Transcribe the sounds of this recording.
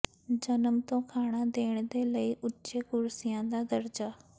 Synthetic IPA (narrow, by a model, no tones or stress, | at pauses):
d͡ʒənəmt̪õːkʰaːɳ̃aːd̪eːɳd̪eːləiːʔʊːt͡ʃeːkʊɾsɪjãːd̪aːd̪əɾd͡ʒaː